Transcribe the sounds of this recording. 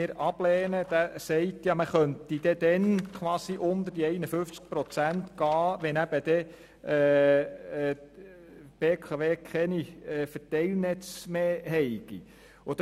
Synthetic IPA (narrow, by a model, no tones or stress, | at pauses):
ɪːɾɑb̥lɛːnəd̪̥æsɛɪtjɑməχœnt̪id̥̪ɛd̪ɛnkʰʋɑːsiʔʊnd̪əɾd̥iɛɪnəfʏft͡sk̚pɾɔt͡sæntɡ̥ɑːʋɛnæb̥əd̪ɛ | ɛː | b̥eːkʰɑʋeːkʰɛniɛːfərtɛɪlnɛt͡smeːɦɛɪɡ̥ḭ | ʊd̥̪